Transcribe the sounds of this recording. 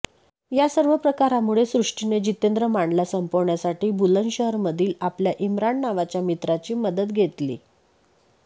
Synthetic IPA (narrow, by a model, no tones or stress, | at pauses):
jasəɾʋəpɾəkaɾamuɭesɾuʂʈined͡ʑit̪end̪ɾəmaɳɖljasəmpoʋɳjasaʈiːbulənɕəɦəɾməd̪ʱiːlapljaʔimɾaɳːaʋat͡ɕjamit̪ɾat͡ɕiːməd̪ət̪ɡʱet̪lḭː